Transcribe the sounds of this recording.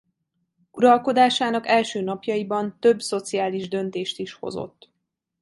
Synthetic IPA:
uɾɒlko̞d̪aːʃaːnɒkɛlʃøːnɒpjɒjibɒnt̪ø̞bso̞t̪siaːliʒd̪ø̞nt̪eːʃt̪iʃho̞̰zo̞̰t̪ː

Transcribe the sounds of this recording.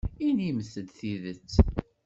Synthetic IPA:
iniməθəd̪θiðət͡sː

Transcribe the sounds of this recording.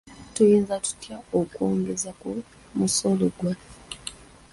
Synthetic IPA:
tujiːnzatu̥tjaokwoːŋɡezako | muso̞loɡwa

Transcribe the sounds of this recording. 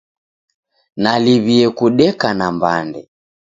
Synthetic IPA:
naliβiɛkuɗɛkanambandɛ

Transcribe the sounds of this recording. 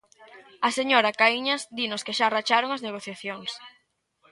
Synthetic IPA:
aseɲoɾakaiɲasd̪inʊskeʃarat͡ʃaɾoŋazneɣ̞oθjaθjoŋs

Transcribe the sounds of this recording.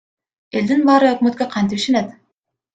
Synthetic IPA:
e̞ld̪inbɑːɾɯøkmøt̪̚køqʰɑnt̪ipiʃenet̪

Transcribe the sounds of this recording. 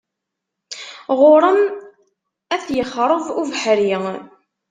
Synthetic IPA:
ʁʊɾˤəm | æθjəχːɾˤəvuvħɾi

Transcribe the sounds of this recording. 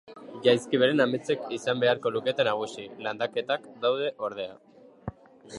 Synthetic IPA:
ʝajskiβ̞e̞ɾenamet͡se̞kisambe̞aɾko̞luke̞t̪enaɣ̞usiland̪ake̞t̪akd̪awð̞e̞ʔo̞ɾð̞e̞a̰

